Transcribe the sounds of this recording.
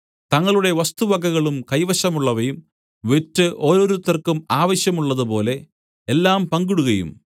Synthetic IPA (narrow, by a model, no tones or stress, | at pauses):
t̪ɐŋːɐɭuɽe̞ʋɐst̪uʋɐɡɐɣɐɭumkɐjʋɐɕɐmuɭːɐʋɐjum | ʋetːɨʔo̞ːɾo̞ːɾut̪ːɐrkːumaːʋɐɕjɐmuɭːɐðupo̞ːle̞ | elːaːmpɐŋɡuɽuɣɐjṵm